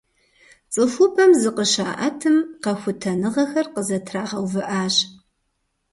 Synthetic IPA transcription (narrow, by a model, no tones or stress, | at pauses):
t͡sʼɨfʊpʰɐmzɨqəʃaːʔɐtʰɨmqɐxʷʊtʰɐnɨʁɐxɐrqəzɐtʰraːʁɐwvɨʔaːɕ